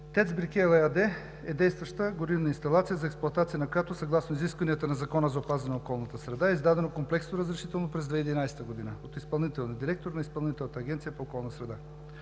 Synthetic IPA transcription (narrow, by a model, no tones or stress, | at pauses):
t̪ɛt̪sbiɾkɛɛlˠɛad̪ɛ | ɛd̪ɛjst̪vɐʃt̪əɡoɾivnəinst̪ɐlˠat̪sijəzɐɛksplˠoɐt̪at̪sijənɐkojat̪osɐɡlˠasnoiziskvɐnijət̪ənɐzɐkɔnəzɐopazɐnɛokɔlˠnət̪əsɾɛd̪aɛizd̪ad̪ɛnokomplɛksnoɾəzɾɛʃit̪ɛlˠnopɾɛzd̪vɛid̪inajsɛ̥t̪əɡod̪inəot̪ispɐlˠnit̪ɛlˠniəd̪iɾɛk̚t̪oɾnɐispɐlˠnit̪ɛlˠnət̪ɐːɡʲɛnt̪sijəpookɔlˠnəsɾɛd̪a